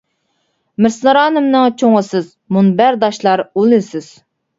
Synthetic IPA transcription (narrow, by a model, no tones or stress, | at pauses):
mɪɾsɨnɨɾɑːnɨmnɨŋt͡ʃʰoŋʁəsɨz | munbæɾd̪ɑʃlˠɑɾulˠɨsɪz̥